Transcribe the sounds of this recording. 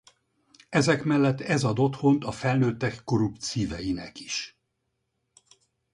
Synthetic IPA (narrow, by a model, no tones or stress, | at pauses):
ɛzɛkmɛlːɛt̪ːɛzɒd̪o̞t̪ho̞nt̪ɒfɛlnøːt̪ːɛkːo̞ɾupt̪siːvɛjinɛ̰ki̥ʃ